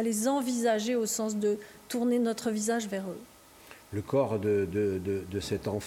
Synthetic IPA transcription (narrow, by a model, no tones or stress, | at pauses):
lezɑ̃vizaʒeosɑ̃s̬d̪ət̪uʁnenɔt̪χəvizaʒvɛʁø | ləkɔʁd̪əd̪əd̪əd̪əsɛt̪ɑ̃f